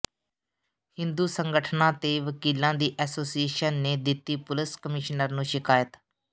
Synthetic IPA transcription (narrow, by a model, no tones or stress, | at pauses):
hɪnd̪uːsəŋɡəʈʰnãːt̪eːʋəkiːlãːd̪iːʔɛːsoːsieːʃənːeːd̪ɪt̪ːiːpʊlɪskəmɪʃnəɾnũːʃɪkaːjət̪